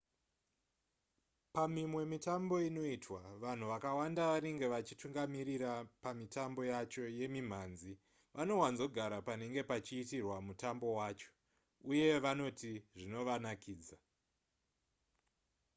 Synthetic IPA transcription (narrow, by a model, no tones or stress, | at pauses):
pamimwe̞mitambo̞ino̞itwaʋan̤uʋakawandaʋane̞ŋɡe̞ʋat͡ʃituŋɡamiɾiɾapamitambo̞jat͡ʃo̞je̞mim̤aːnzi | ʋano̞wanzo̞ɡʱaɾapane̞ŋɡe̞pat͡ʃiːtirwamutambo̞waːt͡ʃo̥ | uje̞ʋano̞tiʐino̞ʋanakiːd͡za